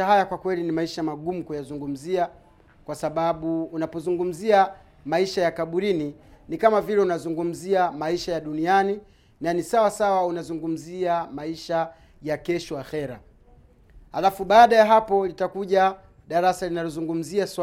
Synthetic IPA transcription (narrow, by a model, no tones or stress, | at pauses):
ahajakwakwɛlinimaiʃamaɠumukujazuŋɡum̩zia | kwasaɓaɓuːnapɔzuŋɡum̩zia | maiʃajakaɓuɾininikamavilɛunazuŋɡum̩ziamaiʃajaɗuniani | nanisawasawaunazuŋɡum̩ziamaiʃa | jakɛʃɔwaxɛɾa̰ | halafuɓaːɗajaɦapɔlitakuʄa | ɗaɾasalinalɔzuŋɡum̩ziasw